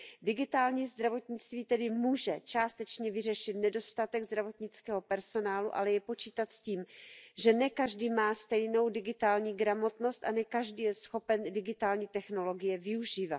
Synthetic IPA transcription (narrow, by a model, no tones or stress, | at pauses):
dɪɡɪt̪aːlɲiːzd̪ɾavo̞t̪ɲɪt͡st̪viːt̪ɛdɪmuːʒɛt͡ʃaːst̪ɛt͡ʃɲɛvɪrɛʃɪt̪nɛdo̞st̪at̪ɛɡzd̪ɾavo̞t̪ɲɪt͡skɛːɦo̞pɛɾso̞naːluʔa̰lɛjɛpo̞t͡ʃiːt̪at̪sciːmʒɛnɛkaʒdiːmaːst̪ɛjno̞wdɪɡɪt̪aːlɲiːɡɾamo̞t̪no̞st̪ʔanɛkaʒdiːjɛsxo̞pɛndɪɡɪt̪aːlɲiːt̪ɛxno̞lo̞ɡɪjɛvɪuʒiːvat